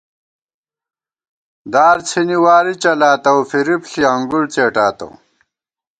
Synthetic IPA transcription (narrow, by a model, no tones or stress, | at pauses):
d̪aːɾt͡sʰiniwaːɾit͡ɕɐlaːt̪ɐwfiɾipɬiɐŋɡuɽt͡seːʈaːt̪ɐ̰w